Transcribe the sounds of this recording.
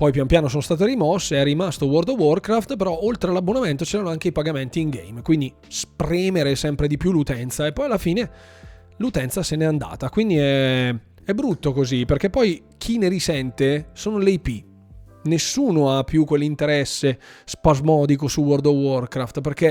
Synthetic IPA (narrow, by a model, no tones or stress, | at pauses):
pɔjpjamopjaːnosoːnost̪aːt̪̬eɾimɔsːeɛrːimast̪owɔrd̪owɔrkɾaft̪peɾɔʔolt̪ɾealabːonament̪ot͡ʃɛːɾanoaŋk̟eipaɡament̪iːŋɡḛjmkwind̪i | spɾiːmeɾesɛmpɾed̪ipjulːut̪ɛnt̪saepːɔjalːafiːne | lut̪ɛnt̪sasenɛand̪a̰ːt̪akwind̪iɛ | ɛbːɾut̪ːokoziperkepːɔj | k̟ʰineɾisɛnt̪esoːnolejpi | nesːuːnoapːjukːwelːint̪eɾɛsːespazmɔːd̪ik̬osuwɔrd̪owɔrkɾaft̪perk̟e